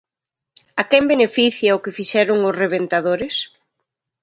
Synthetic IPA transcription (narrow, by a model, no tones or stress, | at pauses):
akɛmbenefiθjɐʊkɪfiʃɛɾʊŋʊsreβ̞ent̪aðoɾɪs